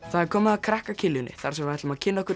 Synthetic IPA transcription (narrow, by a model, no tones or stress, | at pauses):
θaðɛɾkʰɔːmɪðakʰɾɛhkacʰɪljʏnːɪ̰θaɾ̥sɛmaht̪ʏmaðcʰɪnːaɔhkʏɾ